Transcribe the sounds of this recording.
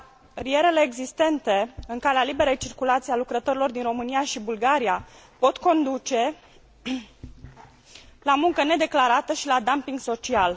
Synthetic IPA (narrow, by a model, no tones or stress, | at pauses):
rie̞ɾe̞le̞ːɡzist̪e̞nt̪e̞ɨŋkalealibe̞ɾejt͡ʃirkulat̪sialukɾət̪o̞ɾilo̞rd̪inro̞mɨnijaʃibulɡaɾia | po̞t̪ko̞nd̪ut͡ʃe̞ | lamuŋkəne̞d̪e̞klaɾat̪əʃilad̪ampiŋɡso̞t͡ʃial